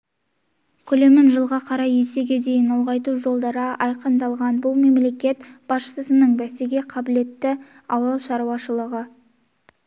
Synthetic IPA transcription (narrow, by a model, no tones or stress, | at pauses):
kʲʰɵle̞mɪnʒəlˠʁɑqʰɑɾɑjese̞ɡʲe̞d̪e̞jɪnolˠʁɑjt̪uʒo̞lˠd̪ɑɾəʔɑjqənd̪ɑlˠʁɑnbʊlˠme̞mle̞kʲe̞t̪b̥ɑsʃə̥səsənəɴbæseɡʲe̞qʰɑbɪle̞t̪ːɪ | ɑwɑlˠʃɑɾuwɑʃəlˠəʁə